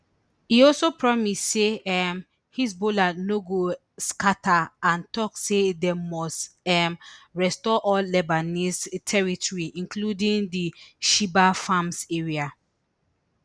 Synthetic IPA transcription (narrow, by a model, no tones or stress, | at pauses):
hiɔlsopɹɔmisseɛm | hisbolanoɡo | skataãntɔksedɛmɔstɛmɹɛstɔʔɔlːɛbanistʰɛɹitʰɔɹiʔĩnkludĩŋdiʃibafãmseɹia